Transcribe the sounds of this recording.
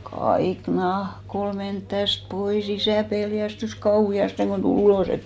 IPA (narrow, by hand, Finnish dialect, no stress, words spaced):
kɑik nɑhk ol ment tæst pois isæˑ peljæstys kɑuhiɑsteŋ ɡ̊on tul uloˑs et